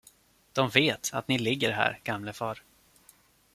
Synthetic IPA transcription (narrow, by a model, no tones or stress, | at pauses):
d̪̥ɔmveːt̪a̰t̪nɪlɪɡːəɾɦæ̰ːɾɡ̥amləfɑːɾ